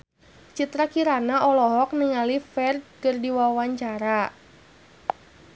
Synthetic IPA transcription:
t͡ʃit̪ɾakiɾanaʔɔlɔɦɔk̚niŋalifɛrd̚kɨrdiwawaɲt͡ʃaɾa

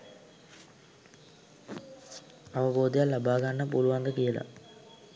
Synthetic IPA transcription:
ɐʋɐboːd̪ijalːɐbʱaːɡaːɐpuːluʋaːnd̪ɐkijɐlɐ̰

